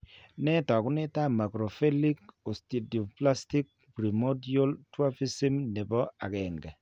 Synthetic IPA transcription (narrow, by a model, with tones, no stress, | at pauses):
nɛ˦tɔ˨kʊ˦nɪ˦ta˦ma˨kɾo˨fe˦li˦ko˨sti˨di˨o˨pla˦sti˦k̚ | pɾi˨mo˦dio˦ltwa˦pi˦si˦mne˨bɔ˦a̰˨ɡɛ˨ŋɡa˨